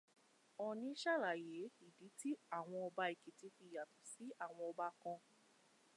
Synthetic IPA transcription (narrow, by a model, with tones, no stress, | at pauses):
ɔ˨nĩ˧˦ʃa˦˨la˨je˨˦i˦˨di˨˦ti˦a˦˨w̃ɔ̃˧ɔ˧ba˦i˨ki˨ti˨˦fi˧˨ja˨tũ˨si˨˦a˦˨w̃ɔ̃˧ɔ˧ba˦kɔ̃˧